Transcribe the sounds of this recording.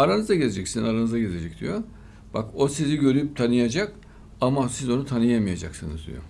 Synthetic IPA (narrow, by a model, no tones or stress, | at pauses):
aɾanɯzd̪aɟezed͡ʒɛcsinzaɾanɯzaɟeze̞d͡ʒɛc̚d̪ḭjo̞ | b̥ako̞siziɟø̞ɾyjyp̚t̪ʰanɯjad͡ʒak | amasizo̞nut̪ʰanɯjamɯjad͡ʒa̰ksɯnɯ̰zd̪ḭjo̰